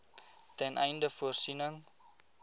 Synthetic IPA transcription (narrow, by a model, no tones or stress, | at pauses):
tɛnʔɛ̰jndəfuərsinəŋ